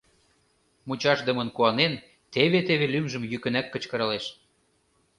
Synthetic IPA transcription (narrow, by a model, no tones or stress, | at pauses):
mut͡ɕɑʃd̪əmə̆nkuɑnen | t̪eβet̪eβelymʒə̆mjykə̆nækːə̆t͡ɕkɤ̆ɾɤ̆leʃ